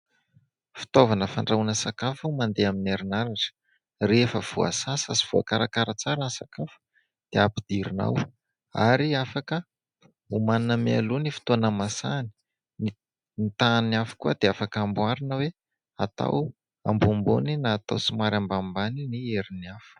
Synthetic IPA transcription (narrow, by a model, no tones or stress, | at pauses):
fi̥t̪ovanəfaɳɖ͡ʐaunəsakafumand̪eaminaɾinaɾaʈ͡ʂə̥ | refəv̥ua̰sasasi̥v̥ua̰kaɾakaɾət͡saɾənsakafu̥ | d̪̥eapid̪iɾina̰w | a̰ɾiafakə | umaninəmea̰lunifi̥t̪onəmasani̥ | ni | nit̪aniafu̥kuəd̪eafakambwaɾinəwe | at̪a̰w | a̰mbumbo̰ninaːt̪a̰wsimaɾambambaninieɾiniafu̥